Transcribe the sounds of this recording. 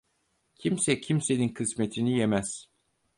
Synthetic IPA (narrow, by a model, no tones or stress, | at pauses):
cʰimsɛcʰimse̞ninkʰɯsme̞t̪ʰinijemæz̥